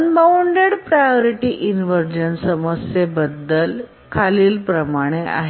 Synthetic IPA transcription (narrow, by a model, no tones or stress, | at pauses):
nmaɳɖeɽpɾajoɾiʈiːʔinʋəɾd͡ʑənsəməsjebəd̪ːəl | kʰaliːlpɾəmaɽ̃eʔa̰ɦe